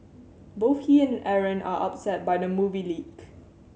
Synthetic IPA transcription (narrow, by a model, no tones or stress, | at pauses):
boθhiɛ̃nʔɛɹə̃nʔa̰ʔa̰p̚sɛt̚bajdəmuviliɡ